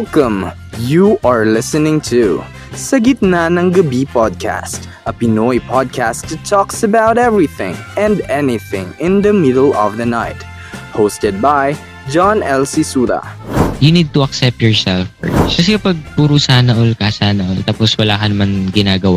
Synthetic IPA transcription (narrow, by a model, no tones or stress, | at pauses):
wɛlkɐ̃m | juʔaɹlɪsɨnɪ̃ŋt̪ʰu | sɐɡɪt̪̚nanɐ̃ŋɡɐbipɔd̪̚kʰæ̰st̪ | ʔɐpɪnɔjpʰɔd̪̚kʰæstːɨt̪ʰɔksɐbawtɛvɹiθɪ̰̃ŋɛ̃nd̪ɛnɪθɪ̰̃ŋɪ̃nd̪ɐmɪdəlɔvd̪ɐnaɪt̪ | hostɛd̪̚baj | d͡ʒãnɛlsisuːɾa̰junid̪̚t̪uɐksɛp̚t̪jɔɹsɛlfɔ̰ɹkɐs̬ɛkɐpaɡ̚puɾusaːnɐʔolkasaːnɐʔolt̪aposwɐlaːkɐnɐmanɡɪnaːɡɐwa